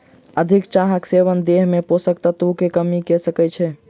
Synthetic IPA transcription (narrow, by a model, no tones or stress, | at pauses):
əd̪ʱikt͡ʃaɦəkseʋənd̪eɦmeposəkt̪ət̪ukekəmikɛsəkɛt͡ʃʰɛ